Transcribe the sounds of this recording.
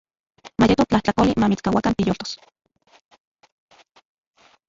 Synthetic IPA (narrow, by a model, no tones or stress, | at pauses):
majet̪ot͡ɬaht͡ɬakolimamit͡skawakant̪ijoːlt̪o̥s